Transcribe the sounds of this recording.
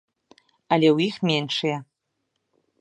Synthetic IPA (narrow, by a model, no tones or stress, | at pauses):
alʲɛwjixmʲenʂɨjɛ